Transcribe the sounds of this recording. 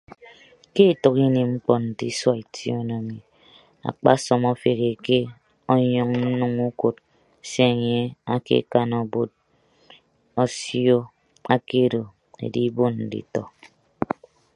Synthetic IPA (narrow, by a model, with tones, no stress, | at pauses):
ke˦e˨tɔ˨ki˦ne˨mŋ͡m̩˦k͡pɔ˨n̩˨ti˦swa˦e˨tʰi˦o˦no˨mi˨ | a̰˨k͡pa̰˦sɔ˨mɔ˦fe˨ɣe˨ke˦ | ɔ˦ɲɔ˨ŋn̩˦nu˦ŋu˦ko˨t | se˦e˨ɲe˦a˦kḛ˦ka˦nɔ˨bo˦t̚ | o˦sjo˦ | a˦ke˦˨do˨ | ḛ˨di˦bo˦nn̩˨dḭ˨tɔ̰˨